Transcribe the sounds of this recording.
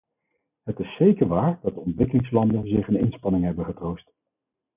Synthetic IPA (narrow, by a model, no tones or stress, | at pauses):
ɦətɪsːejkəɹʋaːɹdɑt̚dəɔntʋɪkəlɪŋslɑndənzɪχənɪnspɑnɪŋɦɛbənχətrowst